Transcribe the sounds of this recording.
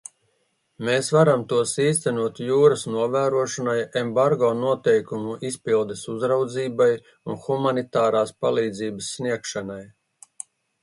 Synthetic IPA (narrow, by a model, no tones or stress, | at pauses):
meːsvaɾamt̪uɔsiːst̪ænuɔt̪juːɾɐsnuɔvæːɾuɔʃanajembaɾɡɔːnuɔt̪ɛjkumuʔispilˠd̪esuzɾawd̪ziːbaj | unxumanit̪aːɾaːspalˠiːd̪ziːbəsːniɛkʃanaj